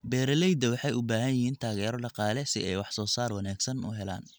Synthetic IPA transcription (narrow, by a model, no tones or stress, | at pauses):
bɛːɾɐlɛjd̪ɐwɑħɑjʊbaːɦɐnjɪhiːnt̪ʰaːɣɛːɾɔɖɑqɑːlɛsɪɛjwɑħsɔːsaːrwɑnaːɡsɐnʊ̰ɦɛla̰ːn